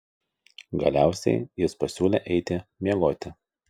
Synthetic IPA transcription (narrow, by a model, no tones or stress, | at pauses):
ɡɐ̰lʲæˑʊsʲɛ̰ɪjɪspɐsʲuːlʲeˑʔɛɪt̪ʲɪmʲiɛɡoːt̪ʲɪ